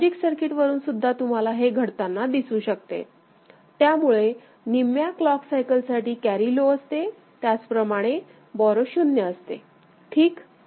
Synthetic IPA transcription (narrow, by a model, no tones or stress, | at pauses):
d͡ʑiksəɾkiʈʋəɾuːnsud̪ʱːat̪um̤alaɦeɡʱəɽt̪anːad̪isuːɕək̚t̪ḛ | t̪jamuɭe | nimjaklɔksajkəlsaʈiːkæɾiloəst̪e | t̪jat͡spɾəmaɽ̃e | bɔɾoɕunjəəst̪ḛ | ʈʰiːk